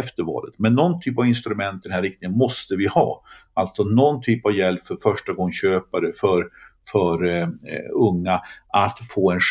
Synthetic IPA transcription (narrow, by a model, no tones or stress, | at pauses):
ɛft̪əɾvɑ̰ːlət̪mɛnːɔnt̪ʰyːpavɪnst̪ɾɵmɛnt̪d̪ɛnhæɾɪk̚t̪ɪŋənmɔst̪əvɪhɑ̰ː | alt̪sɔnɔnt̪ʰyːpavjɛlpfœɾfœʂʈaɡɔŋːɕøːpaɾəfœɾ | fœɾ | ɵŋːaʔat̪foːɛnʂ